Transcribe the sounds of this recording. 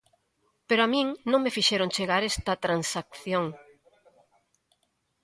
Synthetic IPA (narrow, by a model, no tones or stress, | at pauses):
peɾoamĩŋnõŋmefiʃeɾõŋt͡ʃeɣaɾest̪ɐt̪ɾansak̚θjoŋ